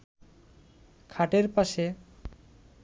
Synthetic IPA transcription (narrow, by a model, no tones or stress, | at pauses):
kʰaʈeɾpaʃe